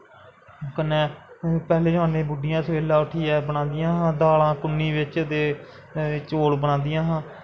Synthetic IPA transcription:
kənːɛ̃ːpɛːleːd͡ʒãːneːbʊɖɪjãːsəʋeːlaːʊʈʰiːɛːbəɽãːnd̪ɪjãːɦãːd̪aːlãːkʊnːiːʋɪt͡ʃd̪eː | t͡ʃoːɽbəɽ̃ãːnd̪ɪjãːɦãː

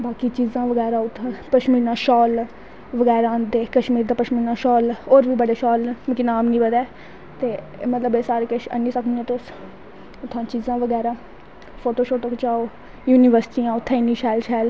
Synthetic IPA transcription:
baːkiːt͡ʃiːzãːʋəɡɛːɾaːʊt̪ʰːãːpəʃmiːɾnãːʃɔːl | ʋəɡɛːɾãːnd̪eːkəʃmiːɾd̪aːpəʃmiːɾnãːʃɔːloːɾʋiːbəɽeːʃɔːlmɪkɪnaːmnĩːbəd̪ɛː | t̪eː | mət̪ləbeːsaːɾeːkəʃə̰nĩːsəkʰniɛ̃ːt̪eʊs | ʊt̪ʰːãːt͡ʃiːzãːʋəɡɛːɾaː | pʰoːʈoːʃoːʈəkt͡ʃaːoː | juːniːʋəɾsʈiːãːʊt̪ʰːɛ̃ːniːʃɛːlʃaːl

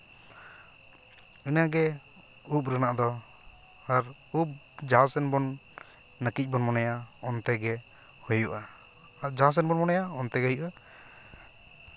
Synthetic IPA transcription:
inaɡɛ | up̚ɾanaʔd̪ɔ | aɾ | up̚ | d͡ʒaɦasɛnbɔnː | əkic̚ˀbɔnmɔnajaɔnt̪ɛɡɛ | hɔjuʔa | ad͡ʒaɦas̬ɛnbɔnmɔnajaɔnt̪ɛɡɛɦɔjuʔa

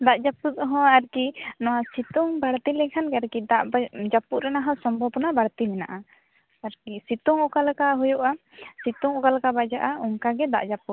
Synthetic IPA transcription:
d̪aʔd͡ʒaput̪ɦɔ̃aɾkinɔwasit̪uŋbaɽt̪ilɛkʰanɡɛaɾkid̪aʔbd͡ʒapuɾɛnaɦɔ̃sɔmbʱɔbɔnabaɽt̪imɛna̰ʔa | aɾkisit̪uŋɔkalkaɦujɔʔa | sit̪uŋɔkalkabad͡ʒaʔaɔŋkaɡɛd̪a̰ʔd͡ʒaput̪̚

